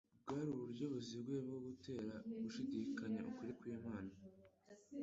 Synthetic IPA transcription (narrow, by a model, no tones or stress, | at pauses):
ɡaɾuβuɾɟo̞βozibɡwe̞ːbɡoɡute̞ːɾaβuʃiɟikaɲaʔukuɾikwimaːna